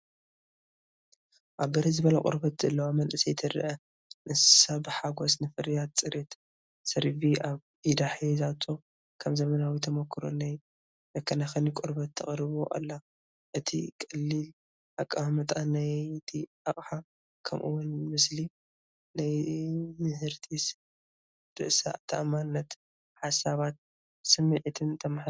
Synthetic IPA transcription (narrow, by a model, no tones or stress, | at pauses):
ʔaβːɐɾizɨβɐlɐkʼɨ̰ɾbɐt̪zɐlːɐwamɐnʔɨsɐjt̪ʰɐɾɐ̰ʔɐ | nʔɨssabɨħaɡo̞snɨfɨɾijat̪̚t͡sʼɨɾet̪ | sɐɾfiaβʔid̪aħezat̪ʰːo | kʰɐmzɐmɐnawit̪ʰɐmokʰːɨɾo̰naj | d̪ɐkʰːɐnaxɐnikʷʼʊɾbɐt̪ʰːɐχʼɾɨβoʔa̰lːa | ʔɨt̪ʰikʼɨlːil | ʔakʼːamɐt̪ʼanajɨt̪ʰiʔaχʼħa | kʰɐmʔɨ̰wːʊnmɨsli | najmɨhɨɾt̪ʰis | d̪̥ɨʔsa̰ʔt̪ʰaʔmanːɐt̪ | ħasaβat̪̚ | sɨmːɨʕit̪ʰɨnt̪ʰɐmħ